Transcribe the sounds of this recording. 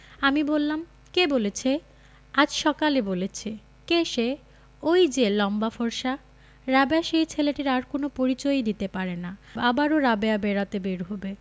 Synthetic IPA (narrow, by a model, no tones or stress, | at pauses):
amibolːam | kebolet͡ɕʰe | ad͡ʑʃɔkalebolet͡ɕʰe | keʃe | ojd͡ʑelɔmbafoɾʃa | ɾabeaʃejt͡ɕʰeleʈiɾaɾkonopoɾit͡ɕojd̪it̪epaɾenaabaɾoɾabeabeɾat̪ebeɾɦobe